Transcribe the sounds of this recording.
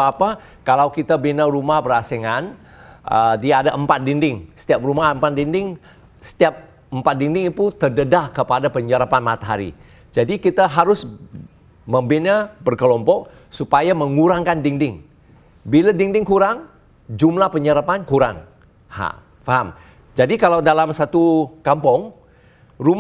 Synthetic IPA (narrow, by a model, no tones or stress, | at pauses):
apa | kalawkit̪abinaɾumahbəɾaseŋan | ʔədiaadaʔəmpat̪̚dindɪŋsə̥t̪iap̚rumaəmpat̪̚dindɪŋ | sə̥t̪iap̚ | əmpat̪̚diŋdɪŋip̪ut̪ərdədakəpadapəɲəɾapanmat̪aɦa̰ɾḭ | d͡ʒadikit̪aɦaɾʊs | məmbinabərkəlɔmpɔʔ̚ | supajaməŋuɾaŋkandiŋdɪŋ | biladiŋdɪŋkuɾaŋ | d͡ʒumlahpəɲəɾapankuɾa̰ŋ | ha̰ | faɦam | d͡ʒadikalawdalamsat̪ukampɔŋ | rum